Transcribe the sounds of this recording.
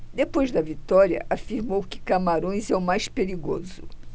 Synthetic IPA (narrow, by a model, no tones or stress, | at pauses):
d̪epojzd̪ɐvit̪ɔɾiɐ̰ʔafiɾmowkɪ̥kamaɾõj̃zɛʊmajspeɾiɡo̰zʊ